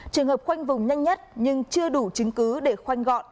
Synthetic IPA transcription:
t͡ɕɨ˨˩əŋhə˨˩p̚xwa˧jŋ̟vʊ˨˩ŋ͡mɲa˧jŋɲə˦˥t̚ɲɨ˧ŋt͡ɕɨ˧əɗu˧˩t͡ɕɨ˨˦ŋkɨ˨˦ɗe˧˩xwa˧jŋ̟ɣɔ̰˧˨nʔ

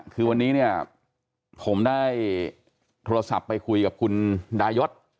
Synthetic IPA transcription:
kʰɯː˧wa˧nːiː˦˥ni˥˩ɐ | pʰo˩˦mdaː˥˩j | t̪ʰoː˧ɾa˧sa̰˨˩pːa˧jkʰu˧jka˨˩p̚kʰu˧ndaː˧jo˦˥t̪̚

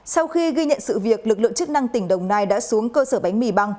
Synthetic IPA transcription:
sa˧wxi˧ɣi˧ɲə̰˧˨nsɨ̰˧˨vi˨˩ək̚lɨ˨˩əklɨ˧˨ŋt͡ɕɨ˦˥k̚na˧ŋt̪ï˧˩ŋ̟ɗə˨˩wŋ͡mnaː˧jɗa̰ː˧˥su˨˦əŋkəː˧səː˧˩ɓa˨˦jŋ̟mi˧˩ɓa˧ŋ

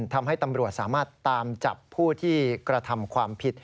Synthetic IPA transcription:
nt̪ʰa˧mɦa˥˩jt̪a˧mɾu˨˩ət̪̚saː˩˦maː˥˩t̪ːaː˧mt͡ɕa˨˩pʰːuː˥˩t̪ʰiː˥˩kɾa˧t̪ʰa˧mkʰwaː˧mpʰi˨˩t̪̚

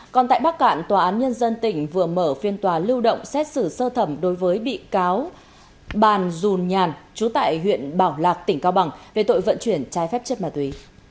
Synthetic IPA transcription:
kɔ˨˩nt̪a̰ː˧˨jɓa˦˥k̚ka̰ː˧˩nt̪waː˨˩ʔaː˨˦nɲə˧nzə˧nt̪ï˧˩ŋ̟vɨ˨˩əməː˧˩fi˧ənt̪waː˨˦lɨ˧wɗo̰˧˨wŋ͡msɛ˦˥t̚sɨ˧˩səː˧t̪ʰə˧˩mɗo˨˦jvəː˨˦jɓḭ˧˨kaː˨˦w | ɓaː˨˩nzu˨˩nɲaː˨˩nt͡ɕu˨˦t̪a̰ː˧˨jɦwḭ˧˨ənɓaː˧˩wlaː˨˩k̚t̪ï˧˩ŋ̟kaː˧wɓa˨˩ŋve˨˩t̪o̰˧˨jvə̰˧˨nt͡ɕwi˧˩ənt͡ɕaː˨˦jfɛ˦˥p̚t͡ɕə˦˥t̚maː˨˩t̪wi˨˦

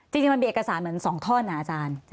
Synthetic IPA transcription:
t͡ɕi˧ŋt͡ɕi˧m˧miː˧e˨˩ka˧saː˩˦nmɯ˨˩˦ənsɔː˩˦ŋt̪ʰɔː˥˩nːa˧˩ʔaː˧t͡ɕaː˧n

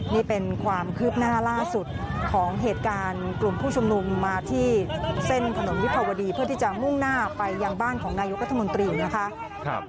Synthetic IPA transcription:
niː˥˩pe˧nkʰwaː˧mkʰɯː˦˥p̚naː˥˩laː˥˩su˨˩t̪̚kʰɔː˩˦ŋɦeː˨˩t̪̚kaː˧nklu˨˩mpʰuː˥˩t͡ɕʰu˧mnu˧mːaː˧t̪ʰiː˥˩se˥˩nt̪ʰa˧no˨˩˦nwi˦˥kʰa˧wa˧diː˧pʰɯ˥˩t̪ʰiː˥˩t͡ɕa˨˩mu˥˩ŋnaː˥˩pa˧jːa˧ŋbaː˥˩nkʰɔː˩˦ŋnaː˧jo˦˥k̚ɾa˦˥t̪ʰa˧mo˧nt̪ɾiː˧na˦˥kʰa˦˥ʔ

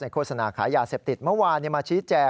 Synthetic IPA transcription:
na˧jkʰoː˧˩t̪̚sa˧naː˨˩kʰa̰ː˩˦jaː˧se˨˩p̚t̪i˨˩t̪̚mɤ˥˨waː˧niː˧˩maː˧t͡ɕʰiː˦˥t͡ɕɛː˧

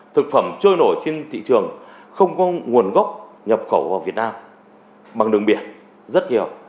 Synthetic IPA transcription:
t̪ʰɨ˨˩k̚fə˧˩mt͡ɕəː˧jno˧˩jt͡ɕe˧nt̪ʰḭ˧˨t͡ɕɨ˨˩əŋ | xə˧wŋ͡mkɔ˨˦ŋu˨˩ənɣɔ˦˥wk͡p̚ | ɲə˨˩p̚xə˧˩wvaː˨˩wvi˨˩ət̚naː˧m | ɓa˨˩ŋɗɨ˨˩əŋɓi˧˩ən | zə˦˥t̚ɲi˨˩əw

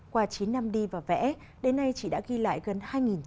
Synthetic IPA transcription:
kwaː˧t͡ɕi˨˦nːa˧mɗi˧vaː˨˩wvɛ̰˧˥ | ɗe˨˦nːa˧jt͡ɕḭ˧˨ɗa̰ː˧˥ɣi˧la̰ː˧˨jɣə˨˩nhaː˧jŋi˨˩n

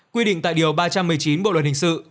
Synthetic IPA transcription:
kwi˧ɗḭ˧˨ŋ̟t̪a̰ː˧˨jɗi˨˩əwɓaː˧t͡ɕa˧mːɨ˨˩əjt͡ɕi˨˦nɓo̰˧˨lwə˨˩t̚hi˨˩ŋsɨ̰˧˨

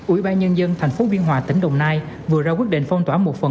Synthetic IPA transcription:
ʔwḭ˧˩˦ɓaː˧nɲə˧nzə˧nt̪ʰɛ˨˩ŋ̟fo˨˦ɓi˧ənɦwaː˨˩t̪ï˧˩ŋ̟ɗə˨˩wŋ͡mnaː˧j | vɨ˨˩əzaː˧kwi˦˥ət̚ɗḛ˧˨n̟fə˧wŋ͡mt̪waː˧˥mo˨˩t̚fə˨˩

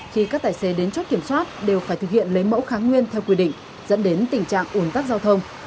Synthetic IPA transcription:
xi˧kaː˦˥k̚t̪aː˧˩jse˨˦ɗe˨˦nt͡ɕo˦˥t̚ki˧˩əmswaː˦˥t̚ɗe˨˩wfaː˧˩jt̪ɨ˨˩k̚hḭ˧˨ənlə˨˦jmə̰˧˥wxaː˨˦ŋwi˧ənt̪ʰɛ˧wkwi˧ɗḭ̈˧˨ŋ̟ | zə̰˧˥nɗe˨˦nt̪ï˨˩ŋt͡ɕa̰ː˧˨ŋʔu˨˩ənt̪aː˦˥k̚zaː˧wt̪ʰə˧wŋ͡m

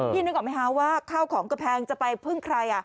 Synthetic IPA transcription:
iː˥˩nɯ˦˥kːʔɔ˨˩m˦˥jkʰa˦˥waː˥˩kʰaː˥˩wkʰɔː˩˦ŋka˧pʰɛː˧ŋt͡ɕa˨˩pa˧jpʰɯ˥˩ŋkʰɾa˧jʔa˨˩

